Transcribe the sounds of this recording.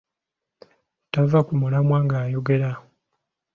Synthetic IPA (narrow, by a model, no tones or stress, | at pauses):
tavakumulamwaːŋɡaːjo̞ɡe̞ɾa